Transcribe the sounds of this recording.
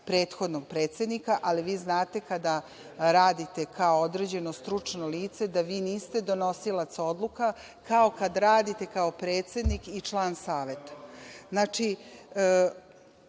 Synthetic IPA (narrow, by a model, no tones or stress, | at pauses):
pɾe̞ːt̪xo̞d̪noɡ̚pɾe̞ːt̪sʲed̪nikaʔaliʋiːznaːt̪e̞kad̪a | ɾaːd̪it̪e̞kaood̪ɾed͡ʑe̞no̞st̪ɾut͡ʂnoliːt̪se̞d̪aʋiːniːst̪e̞d̪o̞no̞silˠat̪sao̞d̪lˠuka | kao̞kad̪aɾaːd̪it̪e̞kao̞pɾe̞ːt̪se̞d̪nikit͡ʂlˠaːnsaːʋe̞t̪ḁznaːt͡ʂi